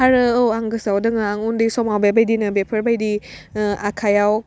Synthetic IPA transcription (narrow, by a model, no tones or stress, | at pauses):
aɾɯowaŋɡɯsawdɯŋɯaŋundisɔmawbajbajdinɯbepʰəɾbajdi | akʰajaw